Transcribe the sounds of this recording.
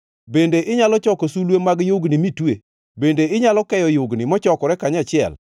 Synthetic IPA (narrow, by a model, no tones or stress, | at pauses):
bendeʔɪɲalɔt͡ʃɔkosulwemaɡjoɡnimitwe | bendeɪɲalɔkɛjɔjoɡnɪmɔt͡ʃɔkɔɾɛkaɲat͡ʃɪɛ̰l